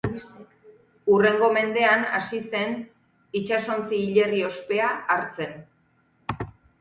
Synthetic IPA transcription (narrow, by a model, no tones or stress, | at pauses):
ure̞ŋɡo̞me̞nd̪e̞ana̰sise̞n | it͡ʃaso̞nt͡siːʎe̞rio̞spe̞aːɾt͡se̞n